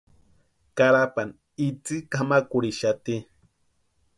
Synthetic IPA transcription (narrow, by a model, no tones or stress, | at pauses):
kaɾapan | it͡sikamakuɾiʃat̪i